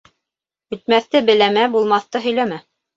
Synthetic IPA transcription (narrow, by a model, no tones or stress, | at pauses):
ɵ̆t̪̚mæθt̪ɘbɘ̆læmæbulˠmɑθt̪ɤɦɵ̆jlæmæ